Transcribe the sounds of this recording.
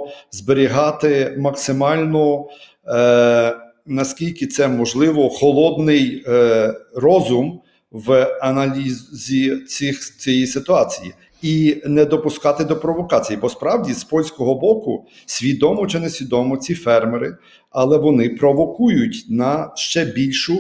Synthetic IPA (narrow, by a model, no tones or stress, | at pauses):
zbeɾʲiɦɑt̪ɪmɐksɪmɑlʲnɔ | nɐskʲilʲkɪt̪sɛmɔʒlˠɪʋɔxɔlˠɔd̪nɪj | rɔzʊm | ʋɐnɐlʲizzʲit͡sʲɪxt͡sʲijisɪt̪ʊɑt͡sʲiji | inɛd̪ɔpʊskɑt̪ɪd̪ɔpɾɔʋɔkɑt͡sʲijipɔspɾɑwdʲispɔlʲsʲkɔɦɔbɔkʊ | sʲʋʲid̪ɔmɔt͡ʃɪnɛsʲʋʲid̪ɔmɔt͡sʲifɛrmeɾɪ | ɐlˠɛʋɔnɪpɾɔʋɔkujʊtʲnɐʃt͡ʃɛbʲilʲʃʊ